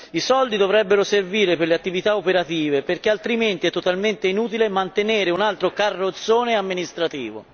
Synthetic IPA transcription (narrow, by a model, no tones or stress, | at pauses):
isɔld̪id̪ovɾɛbːeɾoserviːɾeperleat̪ːivit̪aopeɾat̪iːveperk̟ealt̪ɾiment̪iɛt̪ːot̪alment̪einuːt̪ilemant̪eneːɾeunalt̪ɾokarːot̪sːoːneamːinist̪ɾat̪ḭːvo̰